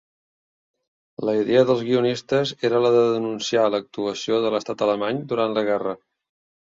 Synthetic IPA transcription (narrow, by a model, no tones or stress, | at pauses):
ləiðeəðəlˠzɣiunist̪əzeɾələðəðənunsialək̚t̪uəsioðələst̪at̪ələmaɲd̪uɾant̪ləɣ̞ɛrə